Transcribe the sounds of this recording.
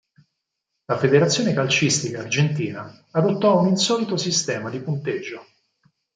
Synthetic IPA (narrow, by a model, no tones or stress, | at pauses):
lafed̪eɾat̪sːjoːnekalt͡ʃist̪ikaːrd͡ʒent̪iːnaː | d̪ot̪ːɔuninsɔːlit̪osist̪ɛːmad̪ipunt̪ed͡ʒːo